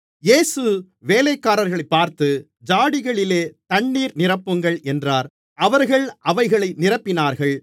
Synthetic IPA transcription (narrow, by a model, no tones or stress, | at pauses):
jeːsɯ | ʋeːlɐɪkːaːɾɐɾɣɐɭɐɪpːaːɾt̪ɯ | d͡ʒaːɽɪɣɐɭɪleːt̪ɐɳːiːɾnɪrɐpːɯŋɡɐɭʔɛndraːɾ | ɐʋɐɾɣɐɭʔɐʋɐɪɣɐɭɐɪnɪrɐpːɪnaːɾɣɐɭ